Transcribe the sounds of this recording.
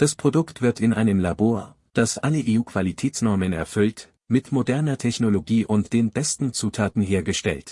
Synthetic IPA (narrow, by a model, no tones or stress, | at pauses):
d̥aspʁ̥odʊktv̥ɪɐtɪnʔa̰ɪnəmlaboːɐ | d̥asʔaləʔeːuːkv̥alitʰɛːt͡snɔɐmənɛ̰ɐfʏlt | mɪtmodɛɐnɐtʰɛçnoloɡiːʔʊntd̥eːnbɛstn̩t͡suːtʰaːtn̩ɦeːɐɡəʃtɛ̰lt